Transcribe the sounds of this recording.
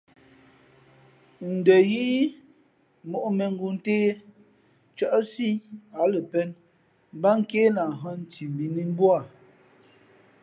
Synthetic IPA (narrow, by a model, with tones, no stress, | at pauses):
n̩˨də˨ji˦ | mo˨ʔmɛ˨ŋ˦ɡu˨n˦teː˦ | t͡ʃə˦ʔsi˦a˨˦lə˨pɛ˦n | ba˦ŋ̩˦ke˦la˨ɦɔ˦n˨ti˨m˨bi˨ni˦m˦bwa˦˨